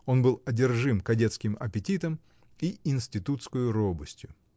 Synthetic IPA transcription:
o̞nbɨlˠɐdʲɪrʐɨmkɐdʲet̪skʲɪmɐ̰pʲɪtʲit̪əm | iɪnsʲtʲɪt̪ut̪skəjʊɾobəsʲtʲjʊ

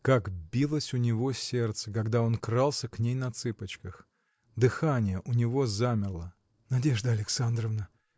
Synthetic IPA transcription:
kakbʲilˠəsʲʊnʲɪvo̞sʲe̞rt̪səkaɡd̪ao̞nkɾalˠsʲəknʲejnɐt̪sɨpət͡ɕkəx | d̪ɨxanʲɪjəʔʊnʲɪvo̞zamʲɪrlˠə | nɐdʲe̞ʐd̪əɐlʲɪksand̪ɾəvnə

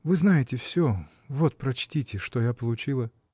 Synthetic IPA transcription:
vɨznajɪtʲɪfsʲo | vo̞t̪̚pɾɐt͡ɕtʲitʲɪʂt̪ojapəlˠʊt͡ɕilˠə

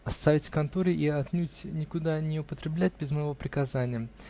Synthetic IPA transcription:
ɐst̪avʲɪtʲkɐnt̪oɾɪʔiɐt̪nʲutʲnʲɪkʊd̪anʲɪʊpət̪ɾʲɪblʲæt̚ʲbʲɪzməjɪvopɾʲɪkɐzanʲɪjə

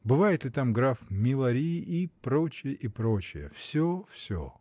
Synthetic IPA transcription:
bɨvajɪt̪lʲɪt̪amɡɾafmʲɪlˠɐɾʲiʔipɾot͡ɕɪjəʔipɾot͡ɕɪjəfsʲofsʲo̰

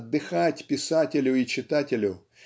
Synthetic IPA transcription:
d̪ːɪxɑtʲpʲisɑtʲelʲʊit͡ʃɪt̪ɑtʲelʲʊ

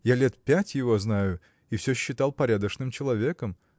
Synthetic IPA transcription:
jalʲe̞t̪pʲætʲjɪvo̞znajʊ | ifsʲɵɕːɪt̪alˠpɐɾʲad̪əʂnɨmt͡ɕɪlˠɐvʲe̞kəm

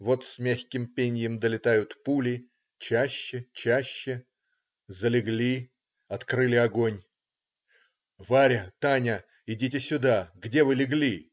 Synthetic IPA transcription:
vo̞t̪sʲmʲæxʲkʲɪmpʲenʲjəmd̪əlʲɪt̪ajʊt̪pulʲɪ | t͡ɕæɕːɪt͡ɕæɕːɪ | zəlʲɪɡlʲi | ɐt̪kɾɨlʲɪɐɡo̞nʲ | vaɾʲət̪anʲə | ɪdʲitʲɪsʲʊd̪aɡdʲe̞vɨlʲɪɡlʲi

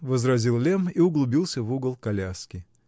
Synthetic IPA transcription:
vəzɾɐzʲilˠlʲemiʊɡlˠʊbʲilˠsʲəvuɡəlˠkɐlʲaskʲɪ

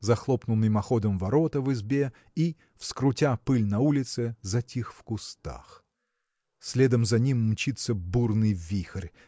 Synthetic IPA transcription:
zɐxlˠopnʊnːɨjmɐxod̪əmvɐɾot̪əvɨzbʲe | i | fskɾʊtʲapɨlʲnɐulʲɪt̪sɨzɐtʲixfkʊst̪a̰x | sʲlʲed̪əmzɐnʲimːt͡ɕit̪səburnɨjvʲixərʲ

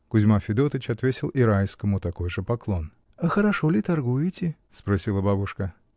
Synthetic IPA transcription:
kʊzʲmafʲɪd̪o̞t̪ət͡ɕɐt̪vʲetʲɪlˠʔɪɾajskəmʊt̪ɐko̞jʐɨpɐklˠo̞n | ɐxəɾɐʂolʲɪt̪ɐrɡujɪtʲɪ | spɾɐsʲilˠəbabʊʂkə

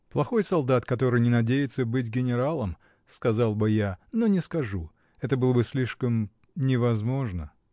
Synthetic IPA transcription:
plˠɐxo̞jsɐlˠd̪at̪kɐt̪o̞ɾɨjnʲɪnɐdʲejɪt̪səbɨt̬ʲɡʲɪnʲɪɾalˠəm | skɐzɑlˠbɨjano̞nʲɪskɐʐu | ɛt̪əbɨlˠəbɨsʲlʲiʂkəm | nʲɪvɐzmo̞ʐnə

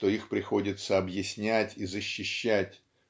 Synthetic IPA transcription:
t̪o̞ixpɾʲɪxo̞dʲɪt̪səɐbjɪsʲnʲætʲizəɕːɪɕːætʲ

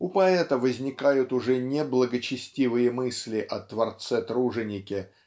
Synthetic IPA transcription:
ʊpɐɛt̪əvəzʲnʲɪkajʊt̪ʊʐɛnʲɪblˠəɡət͡ɕɪsʲtʲivɨjəmɨsʲlʲɪʔɐt̪vɐrt̪sɛt̪ɾuʐɨnʲɪkʲɪ

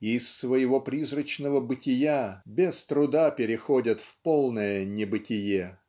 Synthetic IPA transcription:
ɪːsːvəjɪvo̞pɾʲizrət͡ɕnəvəbɨtʲɪjabʲest̪ɾʊd̪apʲɪɾʲɪxo̞dʲət̪fpolˠnəjənʲɪbɨtʲɪje

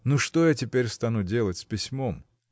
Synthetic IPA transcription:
nuʂt̪o̞jatʲɪpʲeɾʲst̪anudʲe̞lˠətʲspʲɪsʲmo̞m

